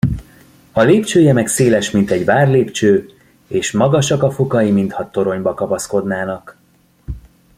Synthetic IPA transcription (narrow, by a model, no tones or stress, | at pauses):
ɒleːpt͡ʃøːjɛmɛkseːlɛʃmint̪ɛɟvaːrleːpt͡ʃøː | eːʃmɒɡɒʃɒkɒfokɒjimint̪hɒt̪o̞ɾo̞ɲbɒkɒpɒsko̞d̪naːnɒk